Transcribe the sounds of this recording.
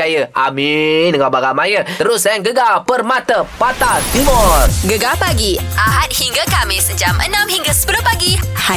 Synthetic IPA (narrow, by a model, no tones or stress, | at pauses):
ajəʔamindəŋabaɡamajət̪əɾʊsŋɡəɡalpərmat̪əpat̪at̪imɔrɡəɡapaɡiʔaɦat̪̚hiŋɡakamɪsəd͡ʒamʔə̰nãmhiŋɡasə̥pəlʊpaɡiha